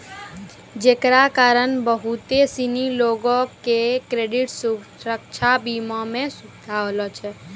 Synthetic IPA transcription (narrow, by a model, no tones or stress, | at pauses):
d͡ʒekɾakaɾənbəɦut̪esiniloɡɔkekɾeɖiʈsuɾək̚t͡ʃʰabimɔmẽsukd̪ʱalɔt͡ʃʰɛ